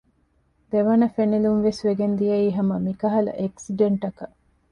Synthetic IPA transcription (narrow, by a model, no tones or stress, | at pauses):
d̪eʋɐnɐfenilunʋesʋeɡend̪ijɐiːɦɐmɐmikɐɦɐlɐ̰ʔeksiɖeɳʈɐkɐ